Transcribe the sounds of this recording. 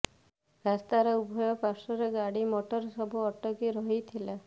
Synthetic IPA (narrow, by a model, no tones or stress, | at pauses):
ɾast̪aɾɔubʱɔjɔpasɔɾeɡaɽimɔʈɔɾsɔbʱuɔʈɔkiɾɔɦit̪ʰila